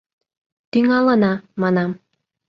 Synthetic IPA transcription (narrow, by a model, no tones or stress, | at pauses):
t̪yŋɑlənɑmɑnɑm